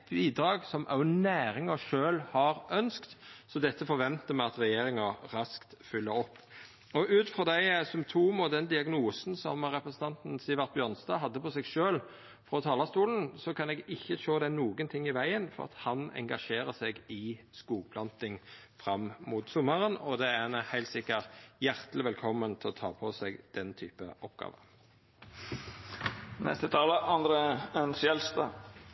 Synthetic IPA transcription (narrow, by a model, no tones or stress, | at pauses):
t̪biːd̪ɾɑːɡsɔmʔɑʊnæːɾɪŋɑʃøːlhɑʁʔœnskt̪sɔd̪ɛt̪ːəfɔʋɛnt̪əmæɑt̪ʁɛjeːɾɪŋɑɾɑskt̪fʏlːəɔpː | ɔʔʉːt̪fʁɔd̪æɪsʏmt̪ʰuːmɔd̪ɛnd̪ɪɑɡnuːsn̩sɔ̰mɾɛpɾəsn̩t̪ɑnt̪n̩sɪːʋɑʁt̪̚bjœːʁnsd̪ɑːɦɑd̪ːəpɔsɛɡʃøːl | fɾɔt̪ʰɑːlɑst̪uːln̩sɔkʰɑnɛɡɪçːəʃoːd̪ɛnuːɡənt̪ʰɪŋːɪʋæɪənfɔ̰ʁɑ̰t̪hɑnɛ̰ŋɡɑʃeːʁəsɛɡɪskuːɡ̚pʰlɑnt̪ɪŋ | fʁɑmmuːt̪sɔməʁənɔd̪ɛænhæɪlt̪sɪkːəʁjæʁt̪lɪʋɛlkʰɔmːənt̪ʰɛɔt̪ʰɑ̰ːpʰɔsɛɡd̪̥ɛnt̪ʰyːpəɔpɡ̥ɑ̰ːʋə̰ | nɛ̰st̪ət̪ʰɑːləɑnd̪ɾeœnsjɛlst̪ɑ